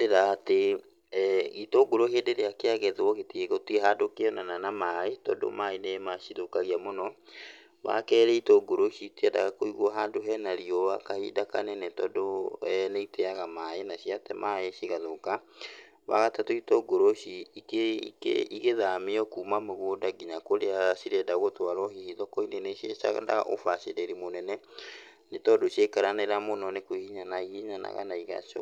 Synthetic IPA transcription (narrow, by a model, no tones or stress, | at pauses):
deɾaːte | itoɡoɾohedeɾeakeaɣɛðwɔɣetieɣotieɦaːndokeɔnananamaetɔ̰do̰maenemaʃiðokaɣiamonɔ | wa̰kɛɾɛitoɡoɾoɕitiada̰ɣakoiɣwɔɦaːndoɦɛnaɾiɔwa̰kahḭdakanɛnɛtɔdoneiteaɣamaenaɕiatɛmʔaeɕiɣaðoka | βa̰ɣatatoitɔɡoɾoʃiikeikḛiɣeðameɔkuːmameɣodaɡiɲakoɾeasiɾɛdaɣotwaɾɔhihiðɔkɔinenesiesa̰ɣa̰nda̰ɣa̰ʔo̰fasedeɾimonɛnɛ | netɔdoʃjekaɾaneɾamonɔnekoihiɲanaihiɲana̰ɣa̰naiɣa̰ʃɔ̰